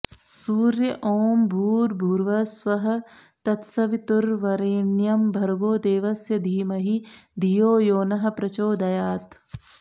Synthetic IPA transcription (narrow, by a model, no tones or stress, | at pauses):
suːɾjɐʔoːmbʱuːɾbʱuːɾʋɐsʋɐɦɐ̆ | t̪ɐt̪sɐʋit̪uɾʋɐɾeːnjɐmbʱɐɾɡoːd̪eːʋɐsjɐd̪ʱiːmɐɦid̪ʱijoːjoːnɐɦɐ̆pɾɐt͡ʃoːd̪ɐjaːt̪